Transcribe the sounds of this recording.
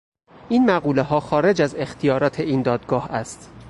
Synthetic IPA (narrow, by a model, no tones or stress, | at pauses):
ʔiːnmæɣɢuːle̞ɦɒːxɒːɾe̞d͡ʒæze̞xt̪ʰijɒːɾɒːt̪ʰe̞iːnd̪ɒːd̪ɡɒːhæst̪